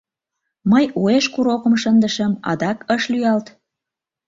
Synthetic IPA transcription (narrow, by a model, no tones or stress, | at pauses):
məjueʃkuɾokəmʃənd̪əʃəmɑ̰d̪ɑkəʃlyɑlt̪